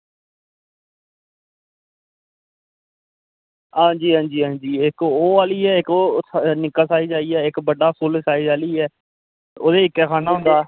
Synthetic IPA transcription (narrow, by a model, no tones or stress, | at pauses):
ɦãːɲd͡ʒiːɦãːɲd͡ʒiːɦãːnd͡ʒiːɪkoːaːliːɛːɪkoːnɪkaːsaːiːd͡ʒaːiːɛːɪkbəɖaːpʰʊlsaːiːd͡ʒaːliːɛː | o̰ːd̪eːɪkːɛːkʰaːnaːɦʊ̃nd̪aː